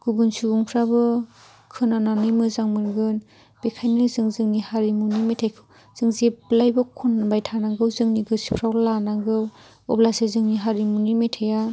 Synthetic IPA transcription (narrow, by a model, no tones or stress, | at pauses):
ɡ̥ubɯnsuuŋpʰɾabɯ | kʰɯnananɯjmɯzaŋmɯɾɡɯn | b̥ekʰajnɯzɯŋzɯŋnihaɾimunimetʰajkʰɯ | z̥ɯŋzeblajbɔkʰunbajtʰanaŋɡɯwzɯŋniɡɯsi̥pʰɾawlanaŋɡɯw | ɔblasezɯŋniɦaɾimunimetʰaja